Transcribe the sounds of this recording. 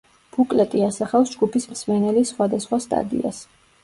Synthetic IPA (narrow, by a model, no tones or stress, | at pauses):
b̥ukʼlɛt̪ʼiasaχafsd͡ʒɡupʰismsmɛnɛlisχwad̪asχwast̪ʼa̰d̪ḭa̰s